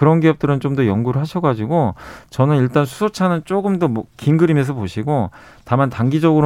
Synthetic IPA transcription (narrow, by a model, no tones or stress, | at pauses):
kɯɾʌnɡiʌp̚t͈ɯɾɯnt͡ɕomdʌjʌŋɡuɾɯɭɦaɕʰʌɡad͡ʑiɡot͡ɕʌnɯniɭt͈ansʰu̥sʰot͡ɕʰanɯnt͡ɕ͈oɡɯmdʌmʌkinɡɯɾime̞s̬ʰʌpoɕʰiɡo | tamantaŋɡid͡ʑʌɡɯɾ